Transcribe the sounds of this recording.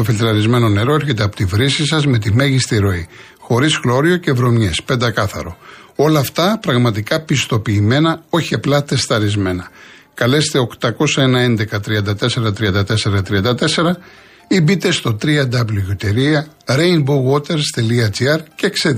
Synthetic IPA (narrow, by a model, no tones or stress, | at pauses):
ofilt̪ɾɐɾizme̞no̞ne̞ɾo̞eɾçe̞t̪eɐpo̞t̪ivɾisisɐzme̞t̪̬ime̞ʝist̪iɾo̞i | xo̞ɾizɣlo̞ɾio̞ce̞vɾo̞mɲespe̞nd̪ɐkɐθɐ̰ɾo̞o̞lɐːft̪ɐpɾɐɣmɐt̪̬ikɐpist̪o̞piːme̞nɐo̞çiɐplɐt̪e̞st̪ɐɾizme̞nɐ | kɐle̞st̪e̞o̞kt̪ɐko̞sɐenɐe̞nd̪e̞kɐt̪ɾiɐnd̪ɐt̪e̞se̞ɾɐt̪ɾiɐnd̪ɐt̪e̞se̞ɾɐt̪ɾiɐnd̪ɐt̪e̞se̞ɾɐ | ibit̪e̞st̪o̞t̪ɾiɐd̪ɐbluʝot̪e̞ɾiɐ | ɾejnbuɣwot̪e̞ɾst̪eliɐt͡siɐɾcekse